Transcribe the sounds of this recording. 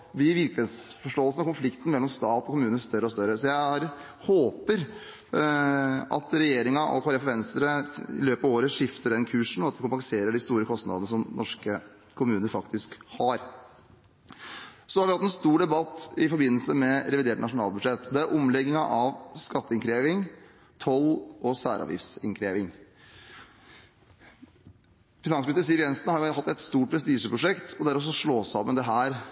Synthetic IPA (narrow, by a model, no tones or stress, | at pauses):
bɪʋɪɾkləeːsfɔʂʈoːəlsənɔkʊnflɪkt̪ən̩mɛlːɔmst̪ɑːt̪ɔkʰʊmʉːnəst̪œɾːəɔst̪œɾəsɔjæɪɾ | hoːpəɾ | ʔɑ̰t̪ɾɛjeːɾɪŋɑʔɔ̰pʰɑɾɛfʋɛnst̪əɾəɪ̰løːpəɑʋoːɾəʂɪft̪əɖɛnkʰʉːʂɳ̩ɔɑt̪d̪ɪkʊmpɑŋseːɾəɖɪst̪uːɾəkʰɔst̪nɑ̰d̪ənəsɔmnʔɔʂkə | kʰːʊmʉːnəɾfɑkt̪ɪskhɑɾ | sɔhɑɾʋɪhɑt̪ːɛnst̪uːɖɛbɑt̪ːɪfɔɾbɪnːəlsəmɛɾɛʋɪd̪eːʈnɑʂʊnɑ̰ːlbʉd̪ʂɛt̪ːɔd̪ɛæɾʔʊmlɛɡːɪŋɑʔɑʋskɑt̪ːəɪŋkʰɾeːʋɪŋ | t̪ʰɔlʔɔsæ̰ːɾɑ̰ʋjɪ̰fsɪ̰nkʰɾeːʋɪŋ | fɪnɑnsmst̪əs̬iːʋjɛnsnhɑɾjʊɦɑt̪ːɛt̪st̪uːʈ̚pʰɾɛs̬t̪iːʂəpʰɾʊʂɛkt̪ʰɔd̪æɾfɔs̬ɔʂɭoːsɑmːənd̪ɛɦæːɾ